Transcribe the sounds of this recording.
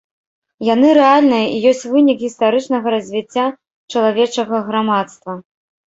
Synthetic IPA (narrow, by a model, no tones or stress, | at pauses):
janɨɾɛalʲnɨjɐʔijɔsʲt͡sʲvɨnʲikɣʲist̪aɾɨt͡ʂnɐɣɐɾɐzʲvʲit͡sʲːa | t͡ʂɐlˠavʲɛt͡ʂɐɣɐɣɾamat̪st̪vɐ